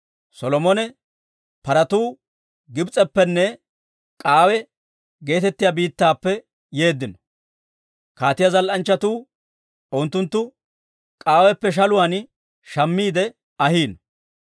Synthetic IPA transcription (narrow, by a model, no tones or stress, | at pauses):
sɔlɔmɔnɛ | pɐɾɐt̪uː | ɡɪbt͡sʼɛpːɛnːɛ | kʼaːwɛ | ɡe̞ːt̪ɛt̪ːɪjabiːt̪ːaːpːɛ | je̞ːd̪ːɪnɔ̥ | kaːt̪ɪjɐzɐlʔɐnt͡ʃːɐt̪uː | ɔnt̪ːʊnt̪ːʊ | kʼaːwɛpːɛʃ̬ɐlʊwaːn | ʃɐmːiːd̪ɛ | ɐhiːnɔ